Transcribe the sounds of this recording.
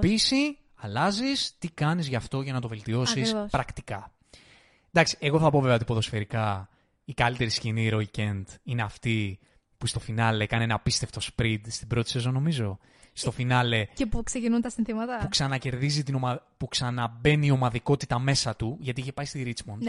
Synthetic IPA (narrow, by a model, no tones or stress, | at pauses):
pisi | ɐlɐzist̪ikɐnizʝɐft̪o̞ʝɐnɐt̪o̞velt̪io̞sisspɾɐkt̪ikɐ | d̪ɐksi̥eɣo̞θɐpo̞veveot̪ipo̞ðo̞sfe̞ɾikɐ | ikɐlit̪e̞ɾisciniɾo̞icend̪ineɐft̪i | pust̪o̞finɐle̞kɐneenɐpist̪eft̪o̞spɾid̪st̪ibɾo̞t̪e̥sesono̞mizo̞ | st̪ofinɐle̞epuksecinunt̪ɐsinθimɐt̪ɐpuksɐnɐce̞ɾðizit̪ino̞mɐpuksɐnɐbe̞niːo̞mɐðiko̞t̪it̪ɐme̞sɐt̪uʝɐt̪iiçepɐist̪iɾit͡smon